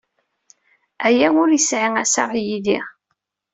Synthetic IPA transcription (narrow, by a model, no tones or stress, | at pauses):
æjæʊɾjəsʕiŋæsa̰ʁjiliʁ